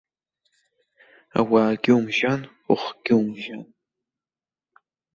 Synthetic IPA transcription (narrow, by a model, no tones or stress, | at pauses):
a̰waːɡʲɪumʒan | ʊχɡ̥ʲɪwmʒan